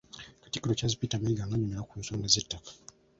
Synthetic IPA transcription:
kḁtikiɾot͡ʃazipitamaiɡaŋɡaɲumeɾakunsoŋɡezetːakḁ

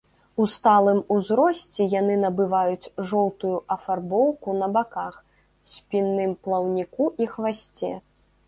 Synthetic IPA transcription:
ust̪alˠɨmuzɾɔsʲt͡sʲɛjanɨnɐbɨvajut͡sʲʐɔwt̪ujuʔɐfarbɔwkunɐbakax | sʲpʲinːɨmplˠɐwnʲikuʔixvasʲt͡sʲɛ

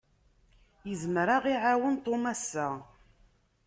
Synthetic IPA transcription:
jəzmɾaʁiʕawənt̪ˤːomæsːæ

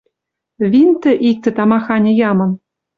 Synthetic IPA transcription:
vʲint̪ɘ̆ʔik̚t̪ɘ̆t̪ɑmɑxɑnʲɤ̆jɑmɤ̆n

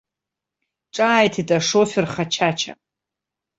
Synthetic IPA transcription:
ʈ͡ʂʼaːjtʰitʼaʂofʲɪrχat͡ʃʰat͡ʃʰa̰

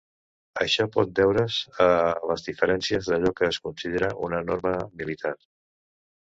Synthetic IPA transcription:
əʃɔpɔt̪̚bɛwɾəzələzðifəɾɛnsiəzðəʎɔkəːskunsiðeɾəʔunənoɾməmilit̪ʰar

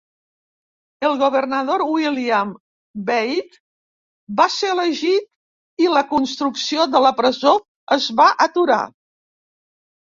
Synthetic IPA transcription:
əlˠɣuβ̞ərnəðoɾwiliəm | bejt̪ | baseləʒit̪̚ | iləkunst̪ɾuksioðələpɾəzo | əzβaʔət̪uɾa̰

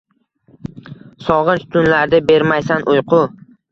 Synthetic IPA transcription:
sɒʁɨnt͡ʃt̪ʰʊnlaɾd̪ɪbe̞ɾmajsanʔʊjqʰʊ

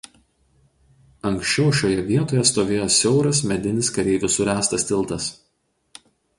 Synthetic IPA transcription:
ɐŋʲkʃʲt͡ʃʲɛʊʃʲoːjɛʋʲiɛt̪oːjɛst̪oːʋʲeːjoːsʲɛʊɾɐsmʲɛd̪ʲɪnʲɪskɐɾʲɛɪʋʲʊsʊɾʲæːst̪ɐsʲt̪ʲɪlˠˑt̪ɐs

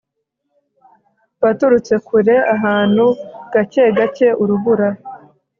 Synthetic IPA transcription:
βatuɾut͡se̞kʰuɾe̞ʔaɦaːn̥huɡ̥ace̞ɡace̞ʔuɾuβuɾa

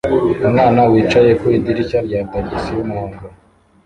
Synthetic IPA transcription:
umŋaːnawiːt͡ʃaje̞koidiɾicaɾɟaːndaɟisijumuhoːŋɡo

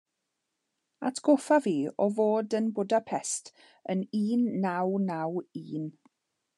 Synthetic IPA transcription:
a̰tʰɡ̥ofaviːɔvoːdənbʊdapʰɛstʰ | əniːnːawnawiːn

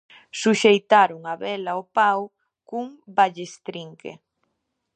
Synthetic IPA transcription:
suʃejt̪aɾʊŋaβɛlaopaw | kuŋbaʎest̪ɾiŋkḛ

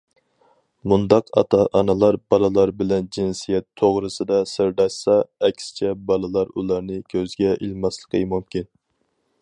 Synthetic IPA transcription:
mund̪ɑqɑ̰t̪ʰɑʔɑnɨlˠɑɾbɑlˠɨlˠɑɾbɪlɛnd͡ʒinsijɛt̪ʰːoʁɾɨsɨd̪ɑsɪɾd̪ɑʃsɑɛkʲsɪ̥t͡ʃʰɛbɑlˠɨlˠɑɾṵlˠɑɾnɨkʲʰøzɡʲɛʔilmɑslˠə̥qʰəmumkʲʰin

